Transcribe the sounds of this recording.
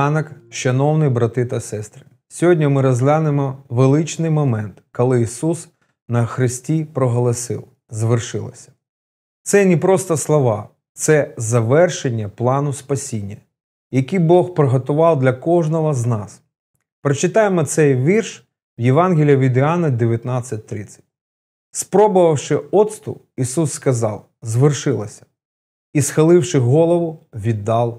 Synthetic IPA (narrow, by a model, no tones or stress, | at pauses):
nɐkʃɐnɔwnɪjbɾɐt̪ɪt̪ɐsɛst̪ɾɪ̥ | sʲɔɦɔdʲnʲimɪɾɐzʲlʲanemɔʋelˠɪt͡ʃnɪjmɔmɛnt̪kɔlˠɪisus | nɐxɾɪsʲtʲipɾɔɦɔlˠɐsɪ̰w | zɐʋɪrʃɪ̰lˠɪ̰sʲɐ̥ | t̪sɛnʲipɾɔst̪ɔslˠɔʋɑ | t̪sɛzɐʋɛrʃenʲːɐplˠɑnʊspɐsʲinʲːɐ | jɐkʲibɔxpɾɪɦɔt̪ʊʋɑwˠd̪lʲɐkɔʒnɔɦɔznɑs | pɾɔt͡ʃɪt̪ɑjemɔt̪sɛjʋʲirʃ | wjeʋɑnɦʲilʲiɐʋʲid̪ɪɑnɐd̪eʋʲjɐt̪nɑt͡sʲːɐt̚ʲt̪ɾɪt͡sʲːɐ̥t̚ʲ | spɾɔbʊʋɐwʃɪɔt̪st̪ʊ̰ | isusːkɐzɑ̰w | zʋɪrʃɪlˠɐsʲɐ̥ | isxɐlˠɪwʃɪɦɔlˠɔʋʊʋʲid̪ːɑlˠ